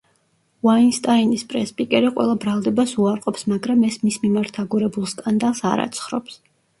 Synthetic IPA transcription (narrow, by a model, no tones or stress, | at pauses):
vainst̪ʼainispʼɾɛspʼikʼɛɾiqʼwʔɛ̰lˠabɾalˠd̪ɛbasuaɾqʼɔpsmaɡɾamɛsmismimaɾt̪ʰaɡuɾɛbulˠskʼand̪alˠsa̰ɾa̰t̪sʰχɾɔ̰ps